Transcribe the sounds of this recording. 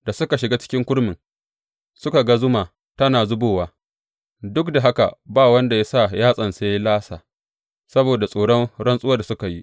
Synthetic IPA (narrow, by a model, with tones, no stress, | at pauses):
d̥a˨sʊ˦ka˨ʃɪ˨ɡaː˦t͡ʃɪ̥˦kʲɪ˦ŋkʷʊ˦ɽmɪ˨ŋ | sʊ˦ka˨ɡa˦zʊ˦maː˨ | tɐ˦naː˨zʊ˦boː˦˨waː˦ | dʊ˦kda˨ɦa˦ka̰˨baː˦˨wɐ˦nda˨ja˦sa˦˨jaː˦sʼɐ˨nseː˦jlaː˦sa̰ː˨ | sɐ˦boː˨da˨sʼoː˨ɽɔ˦nɽɐ˦nsʼʊ˦wa˦da˨sʊ˦ka˨ji˦ʔ